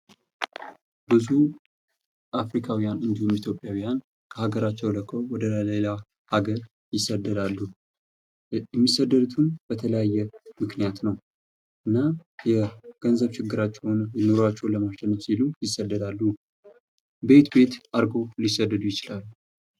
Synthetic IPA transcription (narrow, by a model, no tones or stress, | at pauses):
b̥ɨzu | ʔafɾikʰawijanɨnd̪ihumit̪ʰjo̞pʼjawijan | kʰəhaɡəɾat͡ʃːɛwləkʰːəwwɔd̪əlela | haɡəɾ | jɪsəd̪ːəd̪alːu | jɛmːisːəd̪ːəd̪ut̪ʰumb̥ət̪ʰələjajːɛmɨknijat̪nəw | ʔɨnːajɛɡ̥ənzəβʃɪɡːɨɾat͡ʃːɛwnjɪno̞ɾat͡ʃːɛwləmaʃɛnːəfsilujɪsːəd̪ːəd̪alːu | be̞t̪be̞t̪ʔaɾɡo̞lisːəd̪ːəd̪ujɪt͡ʃɪlalːu